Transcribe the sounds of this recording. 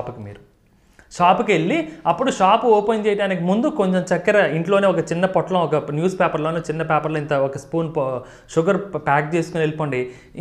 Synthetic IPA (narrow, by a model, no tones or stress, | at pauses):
pukimḭːɾu | ʃaːpuke̞ɭːiɐpːuɽuʃaːpuɔːpɐjnt͡ʃɛːjɐɖaːnik̬imund̪ukoɲt͡ʃemt͡ʃɐkːɐɾɐiɳʈlo̞ːneːɔkɐt͡ʃinːɐpɔʈːɐlɐ̃ɔkɐnjuːspɛːpɐɾloːnet͡ʃinːɐpɛːpɐɾloːint̪ɐɔkɐspuːn | ʃuɡɐɾpaːk̚t͡ʃeːsu̥kunelipoːɳɖi